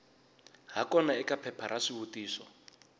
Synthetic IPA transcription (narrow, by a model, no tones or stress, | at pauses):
ɦakɔnaɛkapʰɛpʰaɾaʂiβutiːsɔ